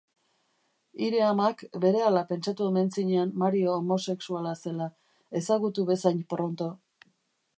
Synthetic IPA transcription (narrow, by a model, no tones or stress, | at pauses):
iɾe̞amakbe̞ɾe̞alape̞nt͡ʃat̪ueme̞nt͡siɲeanːaɾio̞ːmo̞se̞ksualase̞la | e̞saɣut̪uβe̞sajɲpɾont̪o̞